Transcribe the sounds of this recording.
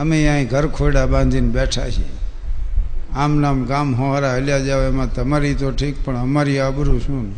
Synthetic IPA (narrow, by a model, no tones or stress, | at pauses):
əmeãːĩɡʱəɾkʰoɽabãːnd͡ʒ̪ʱinbeʈʰa̰ʃḛ | aːmnamɡaːmɦõaɾaɦəljad͡ʒaʋemãt̪əmaɾit̪oʈʰik̚pəɳəmaɾiaːbəɾũʃũːn